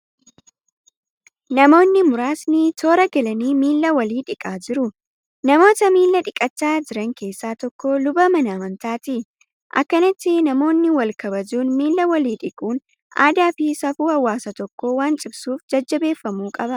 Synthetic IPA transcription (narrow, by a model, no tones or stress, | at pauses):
nɐmo̞ːnːɪmʊɾaːsnɪt̪ʰo̞ːɾɐɡɐlɐniːmiːlːɐwɐliːᶑɪkʼaːd͡ʒɪɾʊ | nɐmo̞ːt̪ɐmiːlːɐᶑɪkʼɐt͡ʃːaːd͡ʒɪɾɐŋke̞ːsːaːt̪ɔkːoːlʊbɐmɐnɐːmɐnt̪aːt̪ɪ | ʔɐ̰kːɐnɪt̪ːɪnɐmo̞ːnːɪwɐlkɐbɐd͡ʒuːnmiːlːɐwɐliːᶑɪkʼuːn | ʔa̰ːd̪aːfɪsɐfuːhɐwːaːsɐt̪ɔkːo̞ːwaːnt͡ʃʼɪbsuːfd͡ʒɐd͡ʒːɐbe̞ːfːɐmuːkʼɐbɐ